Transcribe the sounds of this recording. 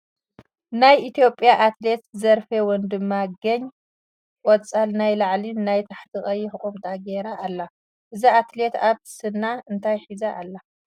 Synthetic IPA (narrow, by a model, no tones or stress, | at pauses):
najit̪ʰijo̞pʼːjaʔat̪le̞t̪zɐɾfewɔnd̪ɨmːaɡɐɲ | kʼɔt͡sʼalnajlaʕlinajt̪ʰaħt̪ʰɨχʼɐjːɪħɨχʼumt̪ʼaɡeɾaːlːa | ʔɨziat̪le̞t̪aβ̥sɨnːaɨnt̪ʰajħizaʔːlːa